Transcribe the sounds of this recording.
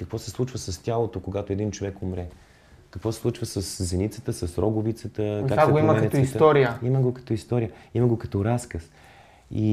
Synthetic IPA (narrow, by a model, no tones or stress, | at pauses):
kəkvɔsɛslˠut͡ʃvəsɐstʲalˠot̪okoɡat̪oɛd̪int͡ʃovɛkomɾɛ | kəkvɔsɛ̥slˠut͡ʃvəsəszɛnit̪sə̥t̪əsɐsɾɔɡʊvit̪sət̪əkakaɡoiməɛkɐɛt̪ist̪ɔɾijəiməɡokɐ̥t̪ɔist̪ɔɾijəiməɡokɐt̪ɔɾaskəs | i